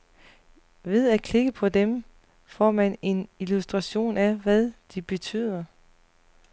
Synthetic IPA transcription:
ʋe̝ð̞ˠækʰleɡ̥əpʰɒ̽d̥em | fɒ̰ːmæne̝nilusd̥ʁɑɕo̝̰ːnæʋæðˠd̥ib̥e̝t͡sʰy̰ːð̞̰ˠɐ

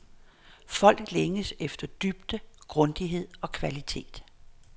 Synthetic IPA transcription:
fɒ̽l̰ɡ̥leŋəsefd̥ɐd̥yb̥̚d̥əɡ̥ʁɔ̽nd̥iɦe̝ð̞̰ˠɒ̽kʰʋælit͡sʰe̝̰ːd̥

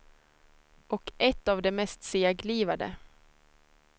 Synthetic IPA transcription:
ʔɔkʔɛt̪ːavd̪ɛmɛst̪sɪaɡliːvad̪ə̰

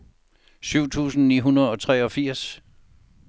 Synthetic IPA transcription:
syʊ̰t͡sʰṵːsn̩nḭːɦunɐð̩ˠɒ̽t͡sʰʁɛːɒ̽fiɐ̰s

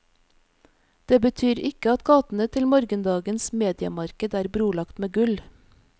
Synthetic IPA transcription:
d̪̥eːbət̪ʰyːɾɪkəɑt̪ɡɑːt̪n̩ət̪ʰɪlmɔɾɡənd̪ɑːɡənsmeːd̪ɪə̰mɑɾkəd̪æːɾbɾuːlɑkt̪meːɡʉl

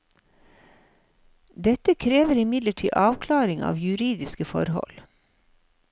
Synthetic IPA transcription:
d̪ɛt̪əkʰɾeːʋəɾɪmɪd̪ləʈʰḭːʔɑːʋkʰlɑːɾɪŋɑ̰ːʋjʉɾiːd̪ɪskəfɔ̰ɾhɔ̰l

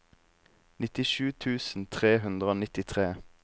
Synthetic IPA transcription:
nɪt̪ɪʃʉːt̪ʰʉːsn̩t̪ʰʁeːɦʉnd̪ʁəoːnɪt̪ɪt̪ʰʁeː

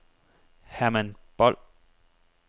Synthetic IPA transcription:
hæmænb̥ɒl̰

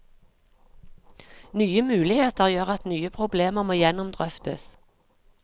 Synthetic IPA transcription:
nyːəmʉːlɪheːt̪əʁjøːʁɑt̪nyːəpʰʁʊbleːməʁmoːjɛnʊmd̪ʁœft̪ə̰s

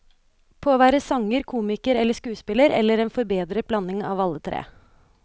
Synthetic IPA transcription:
pʰoːʋæːɾəsɑŋəɾkʰuːmɪkəɾɛlːəʂkʉːspɪləɾɛ̰lːəɾeːnfɔɾbeːd̪ɾəblɑnːɪŋɑːʋɑlːət̪ʰɾḛː

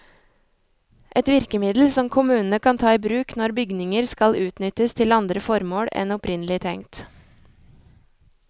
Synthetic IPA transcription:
ʔɛt̪ʋɪɾkəmɪd̪l̩sɔmkʰʊmʉːnn̩əkʰɑnt̪ʰɑːiːbɾʉːknɔɾbʏɡnɪŋəɾskɑlʉːt̪nʏt̪əst̪ʰɪlɑnd̪ɾəfɔɾmoːɽɛ̰nɔpɾɪnəlɪt̪ʰɛŋt̪

